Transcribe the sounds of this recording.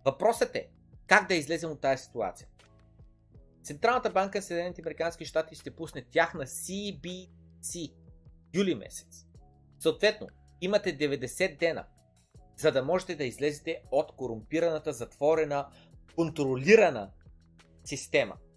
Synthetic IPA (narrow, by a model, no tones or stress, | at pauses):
vɐpɾɔsət̪ɛ̰ | kaɡ̚d̪ɐizlɛzɛmot̪ːajɐsi̥t̪ua̰t̪sijə | t̪sɛnt̪ɾalˠnət̪əbaŋkəsɛd̪nɛnit̪ʲɐmɛɾikanskʲiʃt̪at̪iʃt̪ɛpusnɛt̪ʲjaxnɐsibisijulimɛ̰sɛ̥t̪s | soːt̪vɛt̪no̰ | imɐt̪ɛd̪ɛvɛd̪ɛsɛd̪̚d̪ːɛnə̰ | zɐd̪ɐmɔʒɛt̪ɛd̪ɐizlɛzɛt̪ɛot̪koɾʊmpiɾɐnɐt̪əzɐt̪v̥ɔɾɛnə | kont̪ɾoliɾɐnə̰ | sist̪ɛmɐ̰